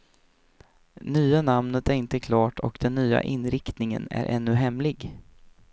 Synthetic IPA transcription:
nyːanamnət̪æɾɪnt̪əkʰlɑːʈʰɔkd̪ɛnːyːa̰ʔɪnːɾɪkt̪nɪŋə̰næ̰ɾʔɛ̰nːɵɦɛmlɪɡ

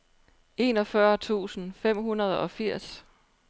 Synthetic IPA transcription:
e̝ːnɒ̽fɶɐt͡sʰṵːsn̩fem̰ɦunɐð̞ˠɒ̽fiɐ̰s

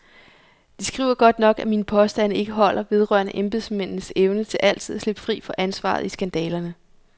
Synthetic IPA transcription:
d̥isɡ̥ʁḭːʊ̰ɐɡ̥ɒ̽d̥nɒ̽ɡ̥æmiːnəpʰɒ̽sd̥ænəe̝ɡ̥əɦɒ̽l̰ɐʋe̝ð̞ˠʁɶ̰ɐnəʔemb̥e̝ðˠsmen̰n̩əseʊnət͡sʰe̝lʔæl̰t͡sʰið̞ˠæsle̝b̥ə̥fʁḭːfɒ̽ʔænsʋɑ̰̈ð̞̩ˠisɡ̥ænd̥ɛːlɐnə

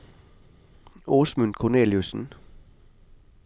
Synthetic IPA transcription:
oːsmʉnkʰɔne̝̰ːljusn̩

